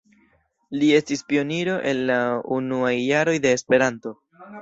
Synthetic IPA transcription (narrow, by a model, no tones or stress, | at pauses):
lie̞stispio̞niɾo̞ʔe̞nːaunuajːaɾo̞jde̞ːspe̞ɾanto̞